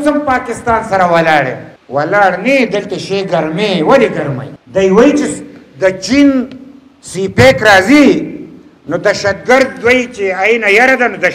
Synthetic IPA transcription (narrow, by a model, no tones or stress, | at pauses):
sɐmpaːkɪst̪aːnsɐɾawɐlaːɽḛ | wɐlaːɽnid̪ɐlt̪aʃeɡɐɾmewɐliɡɐɾma̰jd̪ɐjwɐit͡ʃed̪ət͡ʃin | sipeːkɾaːzi | nod̪ɐʃɐd̪̚ɡɐɾd̪̚wait͡ʃeainajɐɾad̪anod̪ɐ